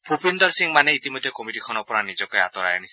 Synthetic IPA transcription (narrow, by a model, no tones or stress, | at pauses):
bʰʱupind̪ɔɾsiŋmaneit̪imɔd̪ʱjekɔmiʈikʰɔnɔpɔɾanid͡ʒɔkɔea̰t̪ɔɾajanis